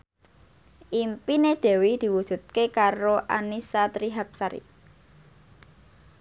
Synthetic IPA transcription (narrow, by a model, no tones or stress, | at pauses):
ʔimpined̪̥e̤wid̪̥i̤wud̥ʒ̥ṳt̪̚kekaɾoʔanisat̪ɾiɦap̚saɾḭ